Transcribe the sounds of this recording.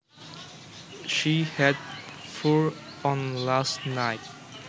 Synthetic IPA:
ʃihɛd̚fɔɹ | ɔ̃nlastnaɪt̚

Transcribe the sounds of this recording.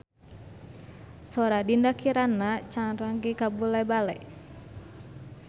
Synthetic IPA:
sɔɾadindakiɾanat͡ʃaŋɾaŋɡikabulabalɛ

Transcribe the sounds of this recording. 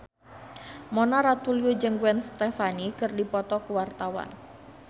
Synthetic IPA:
mɔnaɾat̪ulijud͡ʒəŋɡwɛnst̪ɛfanikɨrdipɔt̪ɔkuwart̪awa̰n

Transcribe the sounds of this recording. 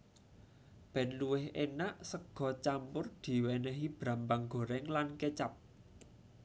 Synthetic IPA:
b̥ɛ̤nluwɪhenaʔsəɡ̥ɔ̤t͡ʃampʊrd̪̥i̤wɛnɛɦib̥ɾa̤mbaŋɡ̥o̤ɾɛŋlanket͡ʃap̚

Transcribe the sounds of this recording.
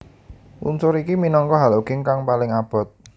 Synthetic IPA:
wṵnsʊɾikiminɔŋkɔɦaluɡ̥ɪŋkaŋpalɪŋab̥ɔ̤t̪̚

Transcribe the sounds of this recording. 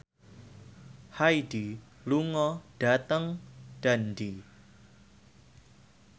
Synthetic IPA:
hajdi | luŋɔɖ̥a̤t̪əŋɖ̥andi

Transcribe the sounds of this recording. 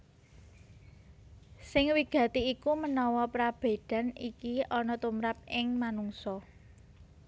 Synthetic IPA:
sɪŋwiɡ̥ä̤t̪iːkumənɔwɔpɾab̥e̤d̪̥a̤nikiɔnɔt̪umɾap̚ɪŋmanuŋsɔ

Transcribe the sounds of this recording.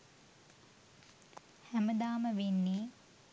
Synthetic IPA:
hæməd̪aːməʋenːiː

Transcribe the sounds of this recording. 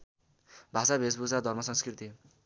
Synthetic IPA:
bʱasabʱesbud͡zad̪ʱʌrmʌsʌŋskrit̪i

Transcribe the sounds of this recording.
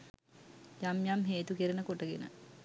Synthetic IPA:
jamjamɦeːt̪ukiɾənəkoʈəɡenə̰

